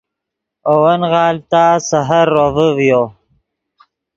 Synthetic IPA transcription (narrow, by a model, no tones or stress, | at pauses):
owanʁɑːlt̪asaɦaɾːovəvjo